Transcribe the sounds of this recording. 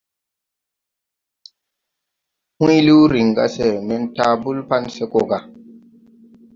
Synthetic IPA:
hũ˦jli˦wɾi˨ŋɡa̰˦se˦˨mɛ˨nta˦bu˦lpa˦nse˦ko˨ɡa˨

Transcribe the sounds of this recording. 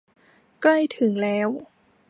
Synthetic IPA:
kla˥˩jt̪ʰɯ˩˦ŋlɛː˦˥w

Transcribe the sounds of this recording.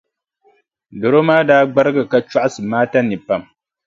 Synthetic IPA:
do˨ɾo˦maː˦daː˦ɡ͡ba˦ɾɨ˦ɡɨ˨ka˦t͡ʃa˦ʔa˦sɨ˨maː˦ta˦nɨ˨pa˦˨m

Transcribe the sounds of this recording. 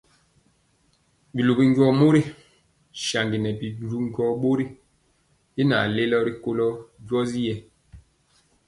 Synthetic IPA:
bi˨lu˨bi˨ŋ˦ɡɔ˦mo˦ɾi˦ | ʃa˨ŋɡi˨nɛ˨bi˨u˨ɾu˦ŋ˦ɡɔ˦ɓo˦ɾi˦ | ji˦na̰˨le˦lɔ˦ɾi˦ko˦lɔ˦d͡ʒwɔ˦zi˦jɛ˦

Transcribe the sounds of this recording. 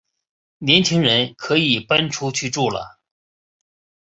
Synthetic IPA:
njɛ˧˥nt͡ɕʰi˥ŋɻə˧˥nkʰɤ˧˥i˨˩pa˥nʈ͡ʂʰu˥t͡ɕʰy˥˧ʈ͡ʂu˥˩lə̰˩

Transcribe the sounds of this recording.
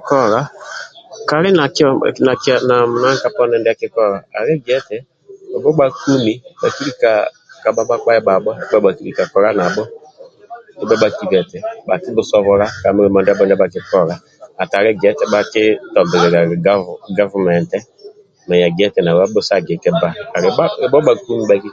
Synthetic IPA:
kɔ˦ɾa˦ | ka˨ɾɪ˦na˨kna˨kna˨m˨na˦ka˦pɔ˦nɛ˦ndɛ˦a˦˨kɪ˦kɔ˦˨ɾa˨a˨ɾɛ˦ɡɛ˨˦tɛ˨ | ɔ˨bɔ˦ɓa˦ku˦mi˨ɓa˨ki˦ɾi˦ka˨ | ka˨ɓa˦ɓa˦k͡pa˦ɛ˦ɓa˨ɓɔ˦ɛ˦bɛ˦ɓa˨ki˦ɾi˨ka˨kɔ˨ɾa˦na˨ɓɔ˦ | ɪ˨˦bɔ˦ɓa˨ki˦bɛ˨tɛ˨ba˨kɪ˦bʊ˦sɔ˦βɔ˨ɾa˦ka˨mɪ˦ɾɛ˨mɔ˨˦n˦da˦bɔ˦n˦dba˨kɪ˦kɔ˦ɾa˦ | a˨ta˨ɾɛ˦ɡɛ˨˦tɛ˨˦ɓa˦kɪ˦tɔ˨bɪ˨ɾɛ˨ɾa˨˦ɡa˦va˨mɛ˨ntɛ˦ | mɛ˨ja˨ɡɛ˦tɛ˨na˨a˦bʊ˦sa˦˨ɡɛ˨kɛ˦baː˦˨ɾɪ˨a˦ɪ˨bɔ˦ɓa˨ku˦mi˨ba˦ki˦

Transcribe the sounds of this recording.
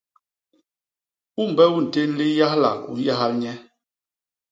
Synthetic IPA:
u˦m˨bɛ˦u˦˨n̩˨te˦n˦li˦ja˦hla̰˨lṵ˨ja˦ɦa˦lɲɛ˦

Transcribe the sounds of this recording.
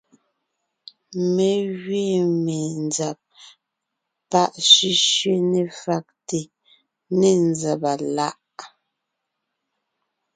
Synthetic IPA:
me˨ɣɥe˦˨me˨nd͡za˨p̚ | pa˦˨ʔʃi˦ʃɥe˦ne˨fa˨k̚te˨ | ne˨nd͡za˨pa˨la˦ʔ

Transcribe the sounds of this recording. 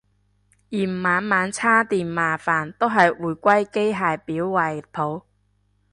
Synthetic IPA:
jiː˨˩m̩˨˩maː˨˥nmaː˨˥nt͡sʰaː˥t̪iː˨nmaː˨˩faː˨˩nt̪o˥wɦɐ˨jwuː˨˩jkʷɐ˥jke˥jɦaː˨jpiː˨˥wːɐ˨j̚pʰo˨˥w

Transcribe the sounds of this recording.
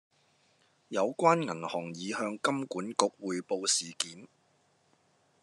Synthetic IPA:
jɐ˨˧wkʷaː˥nŋɐ˨˩nhɔː˨˩ŋjiː˨˧hœː˧ŋkɐ˥mkuː˨˥nkʊ˨˥k̚wuː˨jpo˧wsiː˨˩kiː˨˥n

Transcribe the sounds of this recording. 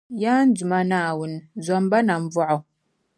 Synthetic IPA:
ja˦n̩˦d͡zu˨ma˨na˨wu˨nzɔ˨m˦ba˦na˨ɱ˦vɔ˦ʔɔ˨

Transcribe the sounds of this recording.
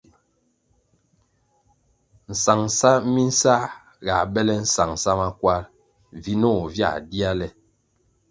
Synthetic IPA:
n̩˨sa˨ŋsa˦mi˦n̩˦sa˦ | ɡa˨bɛ˦lɛ˦n̩˦˨sa˨ŋ˨sa˦ma˦kwa˦ɾ | vi˦nɔ˦˨vja̰˦˨di˦a˦lɛ˦

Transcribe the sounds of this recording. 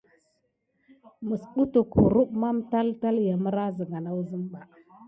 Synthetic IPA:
mə˨su˦tu˨khu˨ɾu˦ɓma˦mta˦lta˦lja˨mə˦ɾa˦zə˨ŋɡa˨na˦wzə˦mba˨

